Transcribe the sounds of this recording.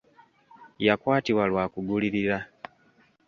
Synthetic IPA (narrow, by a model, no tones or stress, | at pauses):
jakwaːtiwalwaːkuɡuliɾiɾa